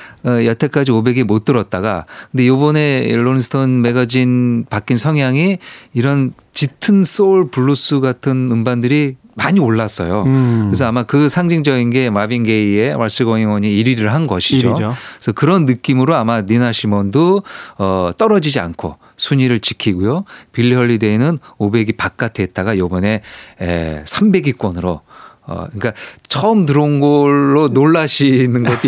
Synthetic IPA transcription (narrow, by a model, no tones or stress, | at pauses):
ʌjʌtʰek͈ad͡ʑiobe̞ɡemot͈ɯɾʌt̚t͈aɡakɯnde̞jobʌne̞ɭːonsʰɯ̥tʰʌnme̞ɡad͡ʑinpak͈insʰʌŋɦjaŋiiɾʌn | t͡ɕitʰɯns͈ouɭpuɭːus͈uɡatʰɯnɯmbandɯɾi | maɲioɭːas͈ʌjokɯes̬ʰʌamakɯsʰaŋd͡ʑiŋd͡ʑʌɡinɡe̞mabinɡe̞ie̞waɭs͈ɯɡwʌŋiŋwʌɲiːɾiɾɯɭɦanɡʌɕʰid͡ʑoosʰʌkɯɾʌnːɯk͈imɯɾoamaninaɕʰimʌndoʌt͈ʌɾʌd͡ʑid͡ʑia̰nkʰo̰ | sʰuɲiɾɯɭt͡ɕikʰiɡujopiɭːjʌɭːidenɯnobe̞ɡipak̚k͈atʰeet̚t͈aɡajobʌne̞ḛsʰambe̞ɡik͈wʌnɯɾo | ʌ̰ɲik͈at͡ɕʰʌɯmt̬ɯɾonɡʌɭːonoɭːaɕʰinɯnɡʌt͈